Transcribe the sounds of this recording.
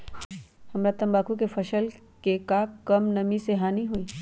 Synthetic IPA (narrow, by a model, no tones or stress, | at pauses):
hɐmɾat̪ɐ̃mbaːkukefɐʃəl | kekaːkkɐmnɐmiseɦaːniɦuiː